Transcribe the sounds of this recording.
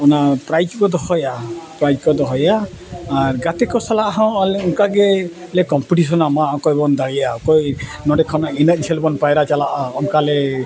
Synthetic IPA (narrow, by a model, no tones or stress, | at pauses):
ɔnapɾajd͡ʒkɔd̪ɔhɔjapɾajd͡ʒkɔd̪ɔɦɔjaː | ɾɡat̪ekɔsalaʔaɦɔ̃aleuŋkaɡe | lekɔmpiʈis̬ɔnamaʔɔkɔjbɔnd̪aɭijaɔkɔjnɔɖekʰɔnainət̪̚ˀt͡ʃʰelbɔnpajɾat͡ʃalaʔaɔŋkale